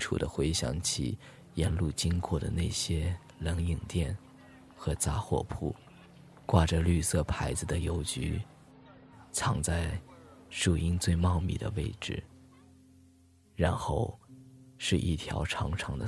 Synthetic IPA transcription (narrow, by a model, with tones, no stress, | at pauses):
ʈ͡ʂʰṵ˨˩d̪ə˦xwe˧˥ɪɕjɑ̰˧˥ŋt͡ɕʰḭ˨˩ | jɛ˧˥nlu˥˩t͡ɕi˥ŋkʰwɔ˥˩d̪ə̰˩ne˥˩ɪɕjɛ˥ | lə˧˥ŋi˨˩ŋt̪jɛ˥˩n | xɤ˧˥t͡sa˥xwɔ̰˥˧pʰu˥˩ | kwa˥˩ʈ͡ʂə˨ly˥˧sɤ˥˩pʰa˧˥ɪd͡zɹ̩˧d̪ə˨jo˧˥ʊt͡ɕy̰˧˥ | t͡sʰɑ˧˥ŋt͡sa˥˩ɪʂu˨˩i˥ŋt͡swe˥˧ɪmɑ˥˧ʊmḭ˨˩d̪ə̰˩we˥˩ɪʈ͡ʂɻ̩˥˩ | ɻa˧˥nxo˥˩ʊʂɻ̩˥˧ʔḭ˥˩t̪ʰjɑ˧˥ʊʈ͡ʂʰɑ˧˥ŋʈ͡ʂʰɑ˧˥ŋd̪ə˧